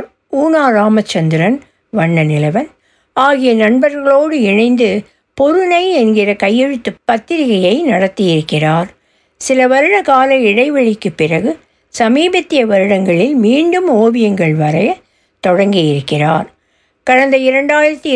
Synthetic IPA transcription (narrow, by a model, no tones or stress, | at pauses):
ɾ | uːnaːɾaːmɐt͡ʃːɐnd̪ɪɾɐn | ʋɐɳːɐnɪlɐʋɐn | aːɣɪjɐnɐɳbɐɾɣɐɭoːɽɯɪɳɐɪnd̪ɯ | pɔɾɯnɐɪɛnɡɪrɐkɐjːɛɻɯt̪ːɯpːɐt̪ːɪɾɪɣɐjɐɪnɐɽɐt̪ːɪjɪɾɯkːɪraːɾ | sɪlɐʋɐɾɯɽɐkaːlɐɪɽɐɪʋɐɭɪkːɯpːɪrɐɣɯ | sɐmiːbɐt̪ːɪjɐʋɐɾɯɽɐŋɡɐɭɪlmiːɳɖɯmoːʋɪjɐŋɡɐɭʋɐɾɐjɐ | t̪ɔɽɐŋɡɪjɪɾɯkːɪraːɾ | kɐɻɐnd̪ɐɪɾɐɳɖaːjɪɾɐt̪ːɯ